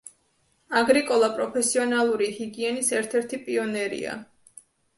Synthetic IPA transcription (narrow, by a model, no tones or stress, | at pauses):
aɡɾikʼɔlˠapʼɾɔpʰɛsiɔnalˠuɾihiɡiɛnisɛɾt̪ʰɛɾt̪ʰipʼiɔnɛɾḭa̰